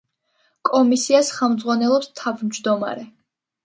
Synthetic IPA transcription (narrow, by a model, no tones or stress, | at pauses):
kʼɔmisiasχɛlˠmd̪zʁwanɛlˠɔpst̪ʰavmd͡ʒd̪ɔma̰ɾɛ